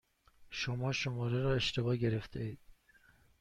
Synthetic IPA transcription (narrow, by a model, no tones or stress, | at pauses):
ʃomɒːʃomɒːɾeɾɒːe̞ʃt̪ʰe̞bɒːɟe̞ɾe̞ft̪ʰeiːd̪̥